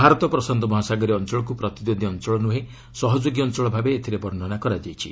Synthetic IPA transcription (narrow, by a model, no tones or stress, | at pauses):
bʱaɾɔt̪ɔpɾɔsɔnd̪ʱɔmɔɦasaɡɔɾiɔnt͡ʃɔɭɔkupɾɔt̪id̪od̪ʱiɔnt͡ʃɔɭɔnuɦe | sɔɦɔd͡ʒoɡjɔːnt͡ʃɔɭɔbʱabeːt̪ʰiɾebɔɾnɔnakɔɾad͡ʒajt͡ʃʰḭ